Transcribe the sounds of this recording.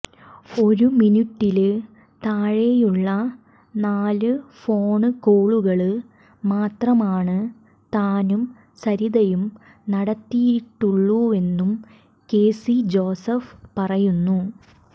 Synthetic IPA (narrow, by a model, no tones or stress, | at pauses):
o̞ɾuminuʈːil | t̪aːɻejuɭːɐ | naːlɨfo̞ːɳɨkoːɭuɣɐɭɨ | maːt̪rɐmaːɳɨ | t̪aːnum | sɐɾiðɐjum | nɐɽɐt̪ːijiʈːuɭːue̞nːum | keːsid͡ʑo̞ːsɐfpɐrɐjunːu